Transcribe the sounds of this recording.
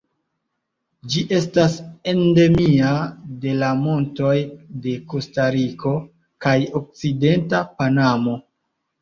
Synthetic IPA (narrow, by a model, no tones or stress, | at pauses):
d͡ʒiʔe̞stase̞nde̞miade̞lamo̞nto̞jde̞ko̞staɾiko̞ | kajo̞k̚t͡side̞ntapanamo̞